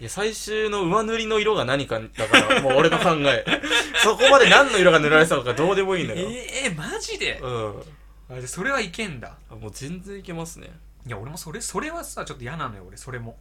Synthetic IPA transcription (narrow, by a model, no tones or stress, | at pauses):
jasaiɕɨːno̞ɯ̟manɯ̟ɾʲino̞iɾo̞ɡanaɲ̟ikad̪akaɾamoːɾet̪okãŋɡae̞so̞ko̞mad̪e̞nãnːo̞iɾoɡanɯ̟ɾaɾesat̪okad̪o̞ːd̪e̞moiːnd̪ojomaʑid̪e̞ɯ̟̃ː | d̪eso̞ɾe̞βaikẽ̞nd̪a̰ | mo̞ːzẽ̞nd͡zẽ̞ike̞masɨnḛ | jao̞ɾe̞mo̞so̞ɾeso̞ɾe̞βasat͡ɕo̞t̪ːojanãnojooɾeso̞ɾe̞mo̞